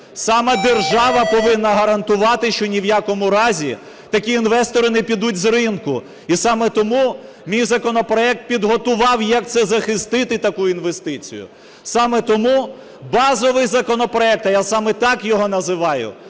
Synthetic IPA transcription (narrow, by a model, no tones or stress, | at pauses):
sɑmɐd̪erʒɑʋɐpɔʋɪnːɐɦɐɾɐnt̪ʊʋɑt̪ɪʃt͡ʃɔnʲiwjakɔmʊɾɑzʲi | t̪ɐkʲiːnʋɛst̪ɔɾɪnɛpʲid̪utʲzrɪnkʊ | isɑmɛt̪ɔmu | mʲijzɐkɔnɔpɾɔɛk̚t̪̚pʲid̪ɦɔt̪ʊʋɑwjɐk̚t̪sɛzɐxɪst̪ɪt̪ɪt̪ɐkuinʋest̪ɪt͡sʲḭjʊ̰ | sɑmɛt̪ɔmu | bɑzɔʋɪjzɐkɔnɔpɾɔɛk̚t̪ɐjasɑmɛt̪ɑkjɔɦɔnɐzɪʋɑjʊ̰